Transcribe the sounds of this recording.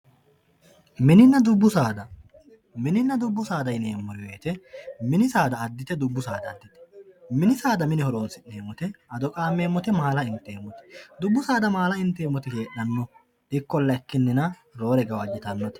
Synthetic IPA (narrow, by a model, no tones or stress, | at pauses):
mɪnɪnːɐd̪ʊbːʊsaːd̪ɐ | mɪnɪnːɐd̪ʊbːʊsaːd̪ɐjneːmːɔɾɪjɔjet̪ɛmɪnɪsaːd̪ɐːd̪ːɪt̪ɛd̪ʊbːʊsaːd̪ɐːd̪ːɪt̪ɛ̥mɪnɪsaːd̪ɐmɪnɪhɔɾoːnsɪnːe̞ːmɔt̪ɛɐd̪ɔkʼaːmːeːmːɔt̪ɛmɐːɐlɐɪnt̪ːeːmːɔt̪ɛ̥d̪ʊbːʊsaːd̪ɐmaːlɐɪnt̪ːeːmːɔt̪ɛke̞ːʔɐnːɔ | ʔɪkːɔlːɐɛkːɪnːɪnɐ | ɾo̞ːɾɛɡɐwɐd͡ʒɪt̪ɐnːɔt̪ɛ̥